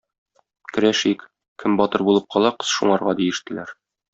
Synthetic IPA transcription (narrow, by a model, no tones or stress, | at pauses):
kɘ̆ɾæʃik | kʰɘmbɒt̪ɤɾbulˠɤp̚qɒlˠɑqɤ̥zʃuɴɑɾʁɑd̪ijɘ̆ʃt̪ɘ̆læɾ